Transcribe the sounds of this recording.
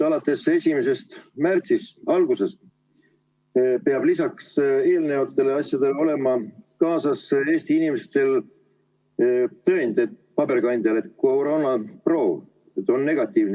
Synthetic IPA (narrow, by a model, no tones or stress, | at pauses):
ɑlɑt̪ːˑe̞se̞sʲimese̞st̪mært̪sist̪ɑlɡ̥use̞st̪ | peɑb̥lisɑkse̞ːlnevɑt̪ːˑe̞leɑsʲjɑd̪̥e̞lo̞le̞mɑkɑːsɑse̞ːst̪iinimest̪e̞l | t̪ø̞ːnd̪̥et̪pɑb̥erkɑnd̪ʲiɑle̞t̪̚kowɾo̞ːnɑpro̞ːv | et̪ːˑonːe̞ɡ̥ɑt̪ːˑiːvn